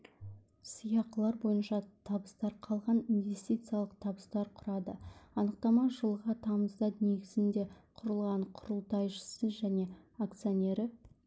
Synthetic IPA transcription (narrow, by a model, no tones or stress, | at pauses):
sijɑqəlˠɑɾbo̞jənʃɑt̪ʰɑbəst̪ɑɾqʰɑlˠʁɑninvʲe̞st̪it̪sɨijalˠəqt̪ʰɑbəst̪ɑɾqʰʊɾɑd̪əɑnəq̚t̪ɑmɑʒəlˠʁɑt̪ʰɑməzd̪ɑne̞ɡʲɪzɪnd̪e̞qʰʊɾəlˠʁɑɴqʰʊɾəlˠt̪ɑjʒə̥səʒæne̞ak̚t̪sɨjonʲe̞ɾɪ